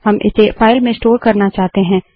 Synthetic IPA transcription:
ɦɐmʔɪ̰sefaːɪlmẽsʈoːɾkɐɾnat͡ʃaːɦt̪eɦɛ̃ː

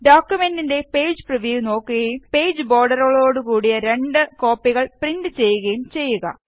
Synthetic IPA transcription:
ɖoːkːjume̞ndinde̞pe̞ːd͡ʑɨprɐʋjuːno̞ːkːuɣɐjumpe̞ːjd͡ʑɨbo̞ːrɖɐrɐɭo̞ːɽukuːɽijɐɾe̞ɳɖɨko̞ːpːiɣɐɭprindɨt͡ɕe̞jːuɣɐjumt͡ɕe̞jːuɣɐ̰

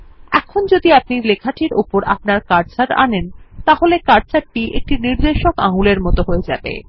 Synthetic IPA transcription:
ɛ̰kʰond͡ʑod̪iapnilekʰaʈʰiɾupoɾa̰p̚naɾkaɾt͡ɕaɾa̰nent̪aɦolekaɾ̚t͡ɕaɾʈiʔḛk̚ʈiniɾd̪eʃokaŋuleɾmɔt̪oɦoed͡ʑa̰bḛ

